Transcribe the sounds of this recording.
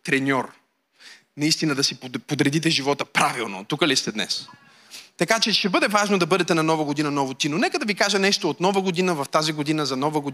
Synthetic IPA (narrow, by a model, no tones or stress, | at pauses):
t̪ɾɛnʲɔɾ | nɐist̪inəd̪ɐsippod̪ɾɛd̪it̪ɛʒivɔt̪əpɾavilˠno̰t̪ukəlist̪ɛd̪nɛ̰s | t̪ɐkat͡ʃɛʃɛbɤd̪ɛvaʒnod̪ɐbɤd̪ɛt̪ɛnɐnɔvəɡod̪inɐnɔvot̪inonɛkəd̪ɐvikaʒənɛʃt̪oːt̪nɔvəɡod̪inəvɐft̪aziɡod̪inəzɐnɔvəɡo